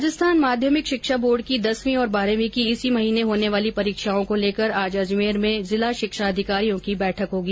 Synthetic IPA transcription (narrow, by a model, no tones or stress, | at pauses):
d͡ʒɪst̪ʰaːnmaːd̪ʱjəmɪkʃɪkʃaboːɾɖ̚kid̪ɐsmĩɔːɾbaːɾəʋikiɪsimɐɦiːneɦoːneʋaːlipɐɾiːkʃaːõkoleːkəɾaːd͡ʒad͡ʒmeːɾmẽzɪlaʃɪkʃaɐd̪ʱɪkaːɾijõkibɛːʈʰəkɦoːɡiː